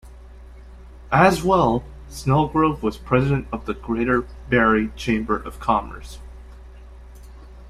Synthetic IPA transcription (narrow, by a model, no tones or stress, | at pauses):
ʔɨzwɛlˠ | snɛlˠɡɹoʊvwʌz̥pʰɹ̥ɛzɨɾɨ̃ntʌvðɨɡɹeɪɾə˞ | bɛɹit͡ʃʰẽɪ̃mbə˞ʔʌv̥kʰɑmə̰˞s